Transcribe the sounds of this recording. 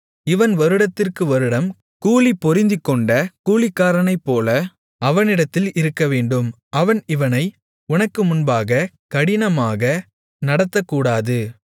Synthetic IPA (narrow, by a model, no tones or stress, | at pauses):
ɪʋɐnʋɐɾɯɽɐt̪ːɪrkɯʋɐɾɯɽɐm | kuːlipːɔɾɪnd̪ɪkːɔɳɖɐkuːɭɪkːaːɾɐnɐɪpːoːlɐ | ɐʋɐnɪɽɐt̪ːɪlɪɾɯkːɐʋeːɳɖɯm | ʔɐʋɐnɪʋɐnɐɪ | ʊnɐkːɯmʊnbaːɣɐ | kɐɽɪnɐmaːɣɐ | nɐɽɐt̪ːɐkːuːɽaːðɯ